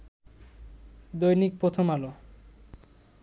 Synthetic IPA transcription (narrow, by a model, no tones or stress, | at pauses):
d̪ojnik̚pɾot̪ʰomalo